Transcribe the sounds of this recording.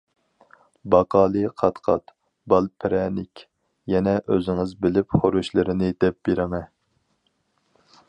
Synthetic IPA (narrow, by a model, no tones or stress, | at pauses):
bɑqʰɑːlˠɨqʰɑt̪qʰɑ̰t̪ | bɑlˠpʰɪɾɛnɪkʲ | jɛnɛʔøzɪŋɨzbɪlɪpχoɾuʃlˠɨɾɪnɪd̪̥ɛp̚b̥eɾɪmɛ